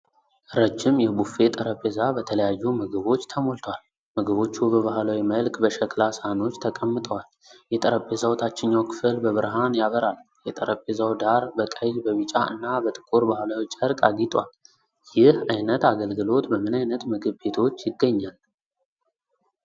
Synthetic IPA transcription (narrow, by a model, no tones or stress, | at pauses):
ɾəd͡ʒːɪmjɛbufe̞t̪ʼəɾəpʼːezabət̪ʰələjajːumɨɡɨβo̞t͡ʃːt̪ʰəmolt̪ʰəwal | məɡəβo̞t͡ʃːubəβahlawiməlkʰʼbəʃɛklasano̞t͡ʃːt̪ʰəkʼəmːɨt̪ʼəwal | jɛt̪ʼəɾəpʼːezawt̪ʰat͡ʃːɪnːawkʰɨ̥fɨlbəβɨɾɦanjaβəɾal | jɛt̪ʼəɾəpʼːezawd̪aɾbəkʼəjzbəβɨt͡ʃʼaɨ̰nːabət̪ʼɨ̥kʼuɾbahlawit͡ʃːʼəɾkʼaɡit̪ʼwal | jɪhajnət̪aɡəlɡɨlo̞t̪bəmɨnajnət̪mɨɡɨβːe̞t̪ʰo̞t͡ʃːjɪɡːəɲːal